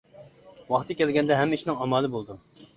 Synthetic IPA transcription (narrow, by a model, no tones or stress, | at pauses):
wɑχt̪ʰɨkʲɛlɡʲɛnd̪ɛɦɛmːiʃinɪŋɑmɑːlˠɨbolˠd̪u